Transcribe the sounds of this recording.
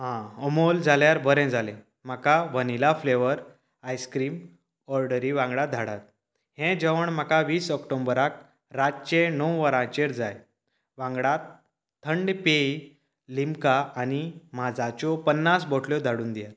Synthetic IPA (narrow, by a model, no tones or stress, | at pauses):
ɦãəmold͡zaljaɾbəɾɛ̃d͡zʱalẽ | m̤akaʋənilafleʋəɾ | ajskɾiːm | ɔɾɖəɾiʋãŋɡɭad̪ʱaɽat̪̚ | hẽd͡ʑəʋəɳm̤akaʋiːsəkʈombəɾak̚ | ɾat͡ɕẽnɔwʋəɾãt͡ɕeɾd͡zaj | ʋãŋɡɽat̪ʰː | əɳɖpei | limkaːnim̤ad͡zat͡ɕɔpənːasbɔʈʰljɔd̪ʱaɽuːnd̪ijat̪̚